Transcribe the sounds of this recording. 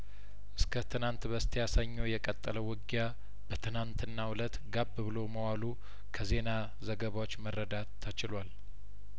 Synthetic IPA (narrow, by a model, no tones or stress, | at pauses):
ʔɨskʰət̪ʰɨnant̪bəst̪ʰijasaɲːojɛkʼət̪ʼːələwɨɡja | b̥ət̪ʰɨnant̪ʰɨnːawʊlət̪ɡabːɨβɨlo̞məwalu | kʰəze̞na | zəɡəβawot͡ʃːmərːəd̪at̪ʰːət͡ʃɪlwal